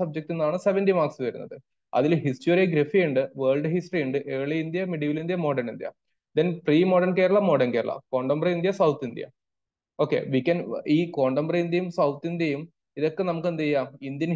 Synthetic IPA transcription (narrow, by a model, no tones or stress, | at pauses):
ɐb̚d͡ʑek̚ʈːenːaːɳɨseʋɐndimaːksɨʋɐɾunːɐ̰ðɨ | ɐ̰ðilɦistoɾiɡɾefijuɳɖɨʋeːɭɖɨɦisʈrijuɳɖɨʔeːɭiind̪jɐmiɽiʋilind̪jɐmo̞ːɖɐnind̪jɐ̰ | d̪enfriːmoːɖɐnkeːɾɐɭːɐmo̞ːɖɐnkeːɾɐɭːʔɐ̰ko̞ːɳɖɐmbrɐind̪jɐsɐwt̪ʰːind̪jɐ̰ | o̞ːkːḛʋikʲːɐniːko̞ːɳɖɐmbrɐind̪jɐjumsɐwt̪ʰːind̪jɐjum | iðo̞kːe̞nɐmukːend̪ijːaːmind̪jɐn